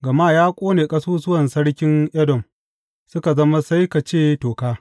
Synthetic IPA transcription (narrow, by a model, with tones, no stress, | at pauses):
ɡɐ˨maː˦jaː˦kʷʼoː˦neː˨kʼɐ˦suː˦sʊ˦wɐ˨nsɐ˦ɽkʲɪ˦ŋʔɛ˦dɔ˨m | sʊ˦ka˨zɐ˦ma˦sa˦jka˨t͡ʃeː˦˨toː˨kaː˦